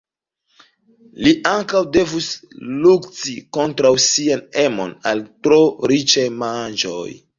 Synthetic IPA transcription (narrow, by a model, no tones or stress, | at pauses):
liʔaŋkawde̞vuslukt͡siko̞ntɾawsianemo̞̰naltɾo̞ɾit͡ʃajmand͡ʒo̰j